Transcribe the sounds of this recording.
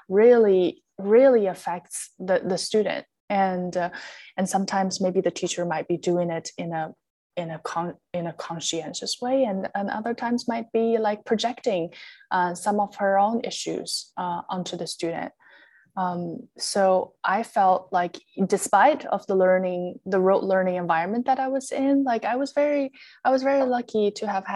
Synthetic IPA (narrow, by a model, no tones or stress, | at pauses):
ɹɪlˠi | ɹɪlˠiɨfɛk̚tsðɨðɨstʉd̰ⁿn̩t̚ | ɨ̃n | ɨ̃nsʌ̃mtʰãɪ̃mzmeɪbiðɨtʰit͡ʃə˞maɪt̚b̥idʉɪ̃ŋɪɾɪ̃nɨ | ɪ̃nɨkʰɑ̃ | ɨ̃nɨkʰɑ̃nʃiɛ̃nʃɨsweɪɨ̃nɨ̃nʔʌ̰ðə˞tʰãɪ̃mzmaɪt̚b̥ilaɪk̚pʰɹ̥ɨd͡ʒɛktɪ̃ŋʔʌsʌ̃mʌv̥ə˞õʊ̃nɪ̰ʃʉ̰z̥ʔʌʔʌ̃ntʰʉðɨstʉd̰ⁿn̩t̚ | ʌ̃msoʊʔaɪfɛlˠt̚laɪkd̥ɨspaɪɾʌ̰vðəlɜ˞nɪ̃ŋðɨɹoʊʔˡlɜ̃˞nɪ̃ŋɨ̃ɱvaɪɹɨ̃nmɨ̃nðɨɾaɪwʌz̥ɪ̃nlaɪkaɪwʌzvɛɹiaɪwʌzvɛɹilʌkʰiɾɨːv̥